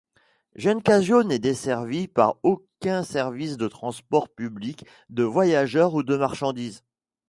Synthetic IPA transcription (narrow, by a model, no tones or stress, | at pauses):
ʒənkaʒjonɛd̪esɛʁvipa̰ʁokʲɛ̃sɛʁvisd̪ət̪χɑ̃spɔʁpyblik | d̪əvwajaʒœʁud̪əmaʁʃɑ̃d̪iːz